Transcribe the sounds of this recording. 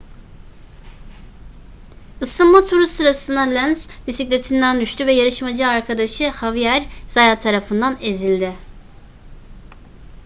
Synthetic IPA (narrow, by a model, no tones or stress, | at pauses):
ɯsɯnmat̪ʰuɾusɯɾasɯnd̪alʲænzbisiclʲet̪ʰind̪ænd̪yʃt̪ʰyvɛjaɾɯʃmad͡ʒaːɾkʰad̪aʃɯhavijæɾz̥ajaːt̪ʰaɾafɯnd̪anezilʲd̪ɪ